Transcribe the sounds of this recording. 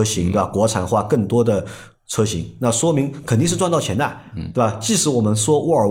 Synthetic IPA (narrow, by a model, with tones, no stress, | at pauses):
ɤ˥ɕi˧˥ŋt̪e˥˩˧kwɔ˧˥ʈ͡ʂʰa˨˩nxwa˥˧kɤ˥˩ŋt̪wɔ˥d̪ə˨ | t͡sʰɤ˥ɕḭ˧˥ŋna˥˩ʂwɔ˥mi˧˥ŋkʰə˨˩nt̪i˥˧ʂ̬ɻ̩˥˧ʈ͡ʂwnt̪ɑ˥˩ʊt͡ɕʰjɛ˧˥nt̪a˥˩ɪt̪we˥˩ɪa˧˩t͡ɕi˥˩ʂɻ̩˧˥wɔ˨˩mə˦nʂwɔ˥wʔɔ˧˥ə˨˩